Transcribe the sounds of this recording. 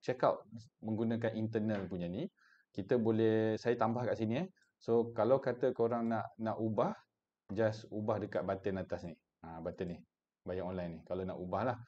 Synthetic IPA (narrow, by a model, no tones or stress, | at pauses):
t͡ʃekaʔmə̃ŋɡunakanʔint̪ənəlpuɲani | kit̪əbolɛhsajət̪ambahkaʔsiniɛ | sokalawkat̪əkəoɾaŋnaʔnaʔubah | d͡ʒasubahdəkaʔ̪̚bat̪ənat̪asni | abat̪ənːɪh | bajaŋonlajnɪhkalana̰ʔubahlah